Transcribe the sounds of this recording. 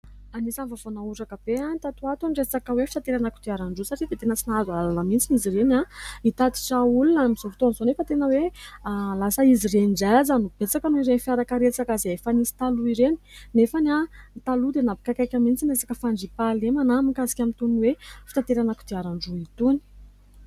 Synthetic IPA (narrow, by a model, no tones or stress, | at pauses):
anisanvavonauʈ͡ʂakəb̥eant̪at̪uat̪unɖ͡ʐet͡sakəwefit̪at̪eɾanakud̪iaɾaɳɖ͡ʐusaʈ͡ʂid̪et̪enət͡sinazalanəmint͡siniziɾenait̪at̪i̥ʈ͡ʂaulunamizovi̥t̪onizonefət̪enəwe | lasəizirenɳɖ͡ʐazanub̥et͡sakanuiɾenifjaɾakəɾet͡sakazeefanisi̥t̪aluiɾeni̥nefanant̪alud̪enapi̥kakajkʲamint͡sinesakəfaɳɖ͡ʐipalemanamikazi̥kʲamint̪unwefit̪at̪eɾanaku̥d̪iaɾaɳɖ͡ʐuit̪uni̥